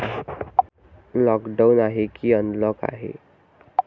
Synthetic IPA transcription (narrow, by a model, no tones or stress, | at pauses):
lɔkɖanaɦekiːənlɔka̰ɦḛ